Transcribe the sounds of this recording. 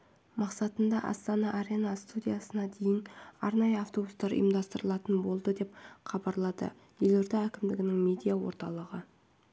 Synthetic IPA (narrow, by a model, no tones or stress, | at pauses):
mɑqsɑt̪ənd̪ɑʔɑ̰st̪ɑnɑʔːɾʲenɑst̪ud̪ʲijasənɑd̪e̞jɪnɑ̰ɾnɑjəɑft̪o̞bust̪ɑɾə̰jəmd̪ɑst̪əɾəlˠɑt̪ənbo̞lˠd̪əd̪e̞pχɑbɑɾlˠɑd̪ə̰ | jeloɾd̪eækʲɪmd̪ɪɡʲɪnɪŋme̞d̪ijawo̰ɾt̪ɑlˠəʁə